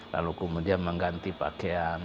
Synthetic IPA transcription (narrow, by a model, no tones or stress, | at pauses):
la̰lukəmudianməŋɡant̪ipa̰keaŋ